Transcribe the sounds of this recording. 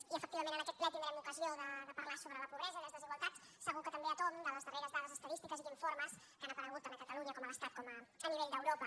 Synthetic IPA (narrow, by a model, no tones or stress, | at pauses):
iəfək̚t̪iβɐmẽnənəkɛt̪lɛɾimeɾɛmukəzioðəðəpəɾlasoβɾələpuβɾɛzəiləzðəziɣwalˠt̪at͡s | səɣ̞ukət̪əmbeət̪ond̪ələzðəreɾəzðaðəzəst̪əðist̪ikəziðiɱfoɾməs | kanəpəɾəɣut̪ːanəkət̪əluɲəkɔmələst̪at̪̚kɔməəniβ̞eʎd̪əwɾopə